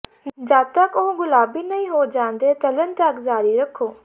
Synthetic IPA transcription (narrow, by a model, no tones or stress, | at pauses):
d͡ʒaːt̪əkõɡʊlaːbiːnɐĩːɦoːd͡ʒãːnd̪eːt̪ɐlənt̪ɐkzaːɾiɾəkʰːoː